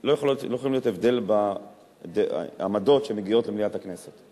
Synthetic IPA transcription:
lojeχlotlojeolimlijotevd̪e̞lba | dḛa̰mado̞tʃemeɡio̞tlemlijathakne̞set̪

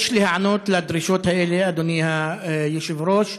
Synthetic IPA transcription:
ʃlihaʕanoːt̪lad̪ɾiːʃoːt̪haʔeliʔad̪uniːhajɪʃɪvɾoːʃ

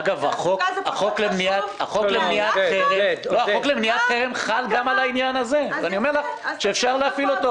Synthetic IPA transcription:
ɡava̰χokaχo̞klemniat̪a̰χoklemniat̪χeʁeloaoklemniat̪χeʁemχalɡamalainjanaze̞vanio̞meʁlaχʃeːfʃaʁleafilot̪o

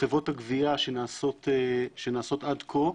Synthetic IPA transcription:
evo̞t̪haɡviaʃenaːsot̪eʃenaːso̞t̪ad̪kʰo

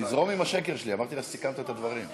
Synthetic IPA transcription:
izʁo̞mimaʃekeʁʃeliamaʁt̪ilasikant̪aet̪ad̪vaʁim

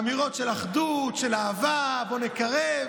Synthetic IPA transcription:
miʁo̞tʃelaχd̪utʃelaːvabo̞nekaʁe

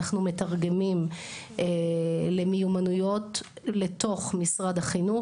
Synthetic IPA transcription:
aχnume̞taʁɡe̞mim | ele̞mijumanujo̞t | leto̞χmisʁad̪haχinu

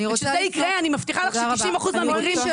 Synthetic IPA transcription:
izeikʁeanimaft̪iχalaχʃiimaχuzmeamikʁim

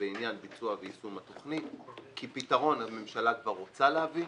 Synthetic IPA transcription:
einjanbit͡suaveisumat̪o̞χnit̪kʰipitaʁo̞nhame̞mʃalakvaʁːo̞t͡saleavi

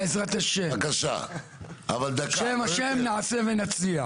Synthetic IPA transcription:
ezʁat̪aʃekaʃa̰ | a̰vald̪akʃemaʃemnaʕasevenat͡sia

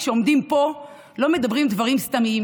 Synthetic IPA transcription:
ʃeo̞md̪impo̞ | lo̞me̞d̪abʁimd̪vaʁimst̪amim

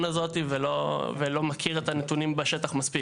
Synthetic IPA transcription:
nazo̞t̪ivelovelo̞makʰiʁet̪anet̪unimbeʃe̞t̪aχmaspi

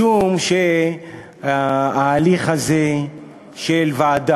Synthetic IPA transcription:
umʃe | aːliχaze | ʃelvaːd̪a

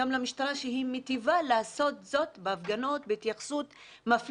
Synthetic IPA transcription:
amlamiʃt̪aʁaʃeɦimet̪ivalaːso̞t̪zo̞t̪beafɡano̞tbeit̪jaχsut | maf

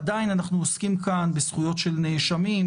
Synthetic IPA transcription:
dainanaχnuoskimkanbesχujo̞tʃe̞lneʃamim

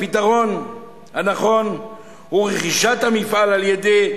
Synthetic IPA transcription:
pit̪aʁo̞n | hanaχo̞n | huʁeχiʃat̪hamifalaljed̪e

